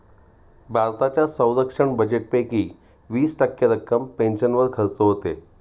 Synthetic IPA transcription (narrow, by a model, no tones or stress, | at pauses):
bʱaɾt̪at͡ɕjasə̃wɾəkʂəɳbəd͡ʑeʈ̚pekiː | ʋiːsʈəkːjəɾəkːəmpẽnʃənʋəɾkʰəɾsoɦoːt̪eː